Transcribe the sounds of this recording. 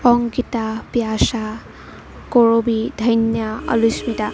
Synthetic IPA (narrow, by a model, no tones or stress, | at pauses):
ɔŋɡitapjasa | koɹobid̪ʱəjnjaʌ̰lusmit̪a